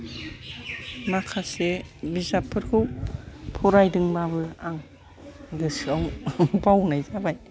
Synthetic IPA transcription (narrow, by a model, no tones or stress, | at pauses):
makʰasebizapʰːɯɾkʰɯwpʰɔɾajdɯŋbabɯaŋ | ɡɯsɯawbawnajzabaj